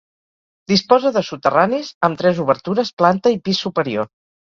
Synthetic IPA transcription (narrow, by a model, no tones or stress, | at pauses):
d̪ispɔzəðəsut̪əranizəmt̪ɾɛzuβ̞əɾt̪uɾəsplant̪əipisːupəɾio